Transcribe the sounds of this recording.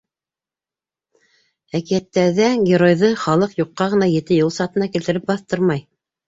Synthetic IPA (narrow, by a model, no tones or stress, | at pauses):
ækijæt̪ːæɾðæɡʲeɾojðɤχɑlˠɤqjuqːɑʁɤ̆nɑjɘ̆t̪ɘjɤlˠsɑt̪ɤ̆nɑkilt̪ɘ̆ɾɘp̚bɑθt̪ɤɾmɑj